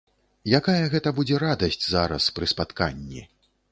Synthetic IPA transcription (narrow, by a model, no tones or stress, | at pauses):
jakajɐɣɛt̪ɐbud͡zʲɛɾad̪ɐsʲt͡sʲza̰ɾɐ̰spɾɨspat̪ka̰nʲːḭ